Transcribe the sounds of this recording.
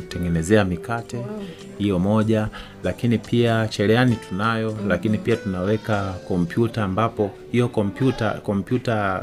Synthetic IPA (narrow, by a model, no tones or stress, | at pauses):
tɛŋɡɛnɛzɛamikatɛ | hijɔmɔʄa | lakinipʰiat͡ʃɛlɛanitʰunajɔlakinipiatunawɛkakɔm̩pjutaːmbapɔ | hijɔkɔm̩pjuta̰kɔm̩pjuta